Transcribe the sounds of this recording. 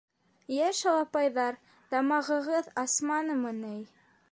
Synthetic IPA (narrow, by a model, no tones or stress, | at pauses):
jæʃɑlˠɑpɑjðɑɾ | d̪ɑmɑʁɤ̆ʁɤðɑsmɑnɤmɤnɘj